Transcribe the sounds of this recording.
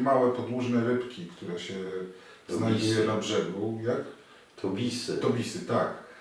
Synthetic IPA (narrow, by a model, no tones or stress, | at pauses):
mawɛpɔd̪wuʐnɛɾɘpkʲikt̪uɾɛɕɛ | znaujɛnabʐɛɡujak | t̪ʰɔbʲisɘt̪ɔbʲisɘt̪ak